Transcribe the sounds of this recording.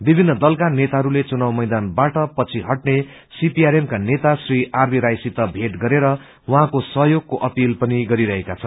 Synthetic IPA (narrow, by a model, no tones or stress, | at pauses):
bibʱinːʌd̪ʌlkanet̪aɦʌɾulet͡sunawmʌjd̪anbaʈʌpʌt͡sʰiɦʌʈne | sipiaɾemkanet̪asriʔarmiɾajsit̪ʌbʱeʈɡʌɾeɾʌ | wʌɦãkosʌɦjoɡ̚koʔʌpilpʌniɡʌɾiɾʌɦekat͡sʰʌn